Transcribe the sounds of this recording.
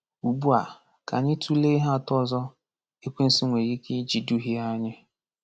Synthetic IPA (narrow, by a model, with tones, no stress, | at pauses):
u˨bu˦a˨ | ka˨ni˦tʰu˦le˦ɦa˦˨tɔ˦zɔ˦ | e˦kʷe˦n̩˦si˦ŋʷe˨ɾi˦ki˦d͡ʒi˨du˦ɦi˦a˦ɲɪ˦